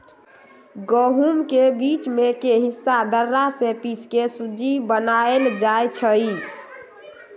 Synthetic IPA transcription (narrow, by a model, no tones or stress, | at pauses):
ɡəɦumkebit͡ʃmekeɦisːad̪əɾːasepiskesud͡ʒibənaeld͡ʒajt͡ʃʰəi